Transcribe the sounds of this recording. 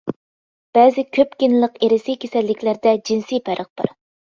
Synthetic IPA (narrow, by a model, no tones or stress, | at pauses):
b̥ɛzɪkʲʰøpkʲinlˠəqeɾɪsikʲʰesɛlːɪkʲlæɾd̪ɛd͡ʒinsijpʰæɾʔəq̚bɑ̰ɾ